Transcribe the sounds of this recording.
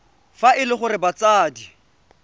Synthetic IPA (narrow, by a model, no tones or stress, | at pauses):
faʔɪlɪχʊɾɪbat͡saːdi